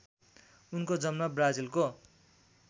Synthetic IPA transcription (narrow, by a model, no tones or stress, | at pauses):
unkod͡zʌmnʌbrad͡zilko